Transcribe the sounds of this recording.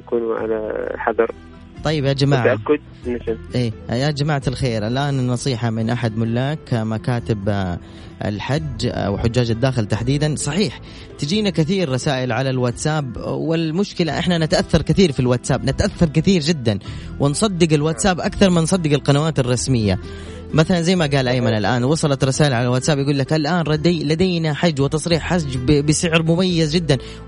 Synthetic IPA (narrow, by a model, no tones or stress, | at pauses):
jakuːnʕa̰la̰ħɑðˤɑɾˤ | t̪ˤɑjːɪbjad͡ʒamaːʕaʔakːʊd̪̚ | naʃʔeːjad͡ʒamaːʕt̪alxeːɾʔalʔaːnnːɑsˤiːħamɪnʔaħad̪mʊlːaːkmakaːt̪ɪb | ʔɪ̰lħad͡ʒ̰ːwħʊd͡ʒːaːd͡ʒad̪ːaːxɪlt̪aħd̪iːd̪ansˤɑħiːħ | t̪ɪd͡ʒiːnakɪθiːɾːɑsaːʔɪlʕalalwaːt̪saːbwɪlmʊʃkɪlaʔɪħnanɪt̪aʔaθːɑɾˤkɪθiːɾfilwaːt̪saːbnɪt̪ʔaθːɑɾˤkɪθiːɾd͡ʒɪd̪ːan | wɪnsˤɑd̪ːɪɡɪlwaːt̪saːbʔakθɑɾˤmɪnsˤɑd̪ːɪɡɪlqɑnawaːt̪ɑrˤːɑsmɪjːa̰ | maθalanzajːmaɡaːlʔajmanalʔaːnwɑsˤɑlɑt̪ɾˤɑsaːʔɪlʕalalwaːt̪saːbjaɡuːlːakʔalʔaːnɾˤɑd̪lad̪eːnaħad͡ʒːwɪt̪ɑsˤɾiːħħad͡ʒbɪsɪʕɾmʊmajːazd͡ʒɪd̪ːan